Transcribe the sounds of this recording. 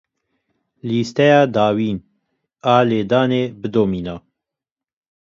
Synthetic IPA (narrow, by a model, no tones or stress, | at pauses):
liːst̪ɛjɑːd̪ɑːwiːn | aːleːd̪ɑːneːbɨd̪oːmiːnaː